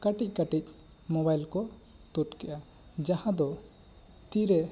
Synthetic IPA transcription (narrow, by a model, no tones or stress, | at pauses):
kaʈic̚ˀkaʈic̚ | mɔβajlkɔ | t̪uʈkɛʔa | d͡ʒahãd̪ɔ | t̪iɾɛ